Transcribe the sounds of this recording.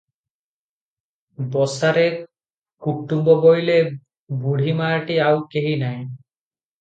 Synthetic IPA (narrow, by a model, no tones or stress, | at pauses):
bɔsaɾe | kuʈːumbɔbojle | buɽ̤ʱimaʈiawkeɦinaj